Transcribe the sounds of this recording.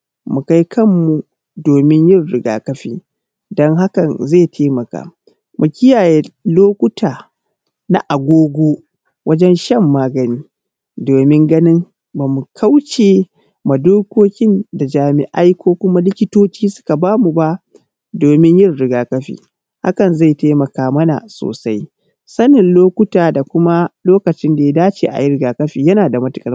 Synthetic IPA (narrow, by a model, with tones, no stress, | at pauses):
mu˨ka˦jkʰɐ˦˨mːu˨ | doː˨mɪ˦ɲjɪ˦˨rɽɪ˨ɡa̰ː˨kɐ˦ɸḭː˦ | dɔ˦ŋɦa˦kɐ˨nze˦˨tʰeː˦mɐ˨ka̰ː˨ | mʔu˨kʲɪ˦jaː˨je˦loː˦kʷʊ˦taː˨ | na̰˨ʔa˨ɡʷoː˦ɡʷoː˦ | wʔɐ˦d͡ʒɛ˦nʃɐ˦˨mːaː˦ɡɐ˨niː˦ | doː˨mɪ˦ŋɡɐ˦nɪ˦ŋ | ba˨mu˨kʰa˦wt͡ʃeː˨ | ma˨doː˦kʷoː˦kʲɪ˦nda˨d͡ʒaː˨mɪ̰˨ʔa˦jkʷʰoː˦kʷʊ˦ma˦lɪ˦kʲɪ˦toː˦t͡ʃiː˦sʊ̥˦ka˨baː˦mu˨ba˦ʔ | doː˨mɪ˦ɲjɪ˦rɽɪ˦ɡaː˨kɐ˦ɸḭː˨ | ha̰˦kɐ˨nza˦˨jta˦mɐ˨kaː˦mɐ˦na̰˨so̰ː˨sa˦j | sɐ˦nɪ˨nloː˦kʷʊ˦taː˨da˨kʷʊ˦ma˦loː˦kɐ˨t͡ʃɪ˦nda˨ja˦daː˦t͡ʃḛː˨ʔa̰˨jɪ˦ɾɪ˦ɡaː˨kɐ˦ɸiː˨jɐ˦naː˨da˨mɐ˦tʊ˨kʼɐ˦˨